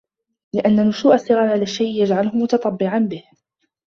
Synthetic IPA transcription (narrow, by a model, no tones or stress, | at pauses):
lɪʔanːanːʊʃuːʔasˤːɪɣɑɾˤʕalaʃːajʔjad͡ʒʕalʊhʊmʊt̪ɑt̪ˤɑbːɪʕanbɪh